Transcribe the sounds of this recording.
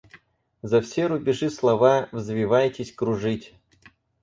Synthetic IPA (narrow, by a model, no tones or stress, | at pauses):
zɐfsʲeɾʊbʲɪʐɨslˠɐvavzvʲɪvajtʲɪsʲkɾʊʐɨtʲ